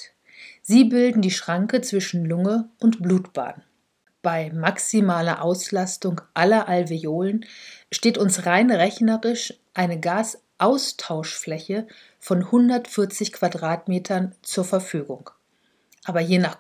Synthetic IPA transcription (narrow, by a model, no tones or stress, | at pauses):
z̥iːbɪldn̩diːʃʁ̥aŋkət͡sv̥ɪʃn̩lʊŋəʔʊntb̥luːtb̥a̰ːn | b̥aɪmaksimaːlɐʔaʊslastʊŋʔalɐʔalveoːlənʃteːtʊnsʁaɪnʁɛçnəʁɪʃ | ʔaɪnəɡaːs | ʔaʊstʰaʊʃflɛçə | fɔnhʊndɐtfɪɐt͡sɪçkv̥adʁaːtmeːtʰɐnt͡suːɐfɛɐfyːɡʊŋ | ʔaːbɐjeːnaːχ